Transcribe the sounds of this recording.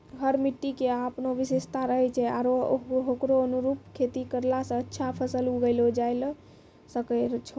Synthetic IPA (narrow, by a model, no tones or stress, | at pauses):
ɦəɾmiʈːikeapnoʋisest̪ʰaɾəɦɛt͡ʃʰɛa̰ɾoɦokɾoənuɾup̚kʰet̪ikəɾlasə̃ətːʃʰapʰəsəluɡəɪlod͡ʒajl | səkət͡ʃʰo